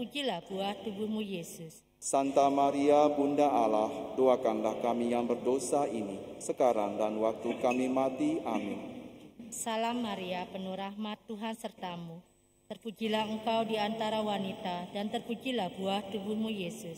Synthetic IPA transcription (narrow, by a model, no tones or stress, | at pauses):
pud͡ʒilahb̥uaht̪ubumujesʊs | sant̪amaɾiabundaʔalahdoakanlahkamijaŋbərdosainisəkaɾaŋdanwak̚t̪ukamimat̪iʔamɪn | salamːaɾiapənuɾahmat̪ːuɦansərt̪amu | t̪ərpud͡ʒilaɦəŋkawdiant̪aɾawanit̪adant̪ərpud͡ʒilahbuaht̪ubumujesʊs